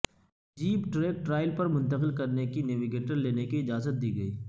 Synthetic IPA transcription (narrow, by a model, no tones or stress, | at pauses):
d͡ʒiːpʈɾeːk̚ʈɾaːɪlpɐɾmʊ̃nt̪əqɪlkɐɾnekineʋɪɡeːʈəɾleːnekiɪd͡ʒaːzət̪̚d̪iːɡɐiː